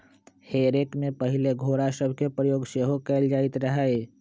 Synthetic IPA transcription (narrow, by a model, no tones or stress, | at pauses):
heɾekmepəɦileɡʱoɾasəbʱkepɾəjoːɡseɦokɛld͡ʒaːit̪ɾəɦəe